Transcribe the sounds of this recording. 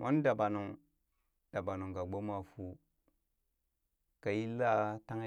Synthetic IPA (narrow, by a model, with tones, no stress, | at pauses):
mʔo˦n˦da˨ba˨nu˨ŋ | d̥a˨ba˨nu˨ŋɡa˨ɡ͡bo˦ma˨fu˨ | ka˨ji˦la˦ta˦ŋ˦